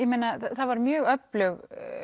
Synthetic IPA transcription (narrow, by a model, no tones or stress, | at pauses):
jɛmejnaθaðvaɾmjœːɣœplʏɣ